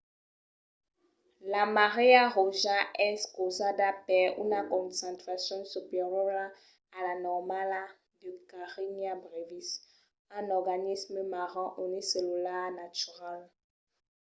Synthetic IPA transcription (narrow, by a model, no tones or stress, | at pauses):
lamaʁeaʁoʒaɛskozadapɛṵnakɔ̃nsɛ̃nt̪χasjɔ̃sypeʁjɔa | alanɔʁmala | d̪əkaʁinjabʁevis | ɛ̃nɔʁɡanisməmaʁɛ̃ʔuniselulanat̪yʁal